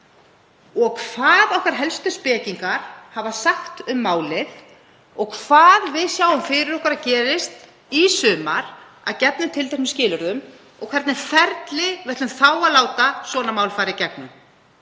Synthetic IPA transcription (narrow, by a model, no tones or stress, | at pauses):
ɔɣkʰv̥aːðɔhkaɾ̥ɦɛlst̪ʏspɛːciŋkaɾ̥havasaxt̪ʏmːaːwlɪð | ɔɣkʰv̥aːðvɪðsjaːwʏmfɪɾɪɾɔhkvaɾacɛːɾɪst̪ | isʏːmaɾ̥ | a̰ðcɛpnʏmt̪ʰɪlt̪ɛhsmɪscɪːlʏɾðʏm | ɔ̰ɣkʰvɛɾt̪nɪɾ̥fɛɾt̪lɪvɛht̪ʏmθaːwaðlaːwt̪asvɔːnamaːwlfaːɾɪcɛk̚nʏm